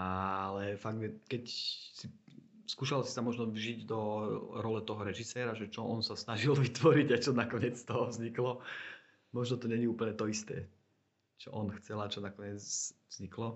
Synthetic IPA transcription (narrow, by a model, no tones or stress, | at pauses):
alɛfaɡ̚ɛkɛcsi | skuːʃalsi̥samɔʒnɔvʒiɟd̪ɔɾɔlɛt̪ɔɦɔɾɛʒisɛːɾaʒɛt͡ʃɔʔɔnsasnaʒilʋit̪ʋɔɾiɟat͡ʃɔnakɔɲɪɛt͡st̪ɔɦɔvzɲiklɔ | mɔʒnɔt̪ɔɲɛɲiuːpl̩ɲɛt̪ɔist̪ɛː | t͡ʃɔ̰ʔɔnxt͡sɛlat͡ʃɔnakɔɲɪɛt͡svz̥ɲiklɔ